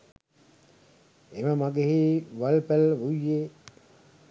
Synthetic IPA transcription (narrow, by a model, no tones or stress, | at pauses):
eməmaɡeɦiʋalpælʋujːeː